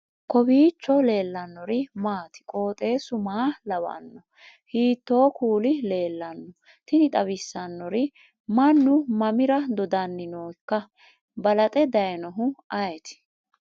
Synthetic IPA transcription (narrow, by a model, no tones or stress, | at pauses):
kɔbiːt͡ʃːɔle̞ːlːɐnːɔɾɪmaːt̪ɪ̥kʼo̞ːt̪ʼe̞ːsʊmaːlɐwɐ̰nːɔ | hiːt̪ːo̞ːkuːlɪle̞ːlːɐnːɔ | t̪ɪnɪt̪ʼɐβɪsːɐnːɔɾɪ | mɐnːʊmɐmɪɾɐd̪ɔd̪ɐnːɪnoːkːɐ | bɐlɐt̪ʼɛd̪ɐjɛnɔɦʊɐjɛt̪ɪ̥